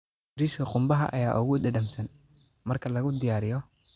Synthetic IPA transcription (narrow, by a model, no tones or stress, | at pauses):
bɾiːskʰɐqʊmbɐɦɐ̰ʔɐ̰jaːʔʊɣʊd̪ɐdɐmsɐn | mɐrkʰɐlɐɣʊd̪ɪjaːɾɪjɔ